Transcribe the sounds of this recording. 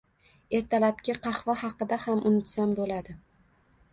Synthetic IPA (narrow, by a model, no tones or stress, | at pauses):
e̞ɾt̪ʰalap̚kʲaqʰɑχvɒhɑqɨd̪ahamʊnʊt̪sambolad̪ɪ